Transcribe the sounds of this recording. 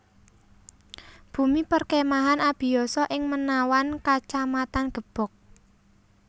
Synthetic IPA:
b̥ṳmipərkemaɦanab̥i̤jɔsɔʔɪŋmənawankat͡ʃamat̪anɡ̥ə̤b̥ɔ̤k̚

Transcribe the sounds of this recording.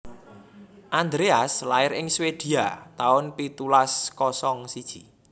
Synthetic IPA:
ʔand̪ɾeaslaɪɾɪŋswed̪̥i̤at̪aʊnpit̪ulaskɔsɔŋsid̥ʒ̥i

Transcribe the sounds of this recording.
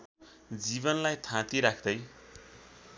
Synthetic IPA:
d͡zibʌnlajt̪ʰãt̪iɾakʰd̪ʌj

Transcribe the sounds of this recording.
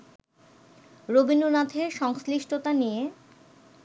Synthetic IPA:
ɾobinunat̪ʰeʃɔŋsliʃʈʰot̪anije

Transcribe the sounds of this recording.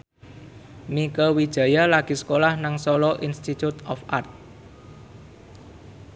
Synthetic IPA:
mikəwid̥ʒ̥ä̤jalaɡ̥i̤sə̥kolahnaŋsɔlɔʔinst̪it̪ut̪ɔ̰fa̰rt̪̚

